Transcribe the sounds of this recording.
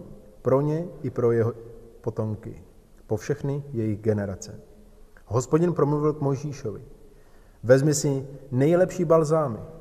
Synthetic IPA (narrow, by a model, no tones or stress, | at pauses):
pɾo̞ɲɛʔɪpɾo̞jɛɦopo̞t̪o̞mkɪ̰ | po̞fʃɛxnɪjɛjɪɣɡɛnɛɾat͡sɛ | ɦo̞spoɟɪnpɾo̞mluvɪlkmo̞jʒiːʃovɪ̰ | vɛzmɪsɪnɛjlɛpʃiːbalzaːmɪ̰